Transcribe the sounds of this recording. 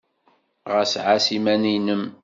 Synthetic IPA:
ʁəsʕasimæninəm

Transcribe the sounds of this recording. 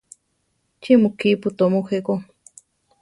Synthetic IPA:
t͡ʃimukiput̪omuxeko

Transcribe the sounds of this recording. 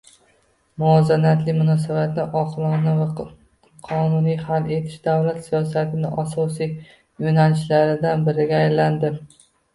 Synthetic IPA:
mʊɒzanat̪lɪmʊnɒsabat̪nɪʔɒqʰlˠɒnava | qʰɒnʊnijhale̞t̪ʰɪ̥ʃd̪avlat̪sijɒsat̪ʰɪnɪʔasɒsij | jonalɪʃlaɾɪd̪anbɪɾɪɡʲaːjland̪ɪ

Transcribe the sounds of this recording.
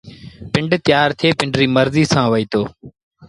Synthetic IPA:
pɪɳɖt̪ɪjaːɾt̪ʰeːpɪɳɖɾiːməɾziːsãːʋəiːt̪oː

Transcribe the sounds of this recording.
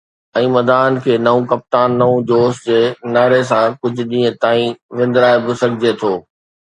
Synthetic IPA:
ɛ̃ːmɐd̪aːən̆kʰeːnɐũkɐp̚t̪aːnːɐũd͡ʑoːsd͡ʑeːnaːɾes̬ãkʊd͡ʑʱʊ̆ɗĩːə̃t̪aːĩʋɪ̃n̆d̪ɪɾaːebɪsɐɡʱɪd͡ʑet̪ʰoː

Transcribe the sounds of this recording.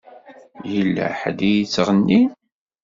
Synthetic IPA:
jəlːæ̰ħd̪ijit͡sːʁənːin

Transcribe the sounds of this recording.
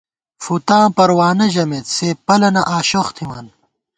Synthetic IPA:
fut̪ãːpɐɾwaːnɐʑɐmet̪seːpɐlɐnɐʔaːɕoxt̪ʰima̰ːn

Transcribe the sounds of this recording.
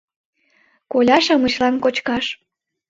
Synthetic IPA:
kolʲɑʃɑmət͡ɕlɑnkot͡ɕkɑʃ

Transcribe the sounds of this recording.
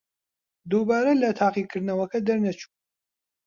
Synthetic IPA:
d̪ubaːɾɐlɐt̪ʰaːqiːkʰɨɾd̪nɐwɐkʰɐd̪ɐɾnɐt͡ʃʰu̥

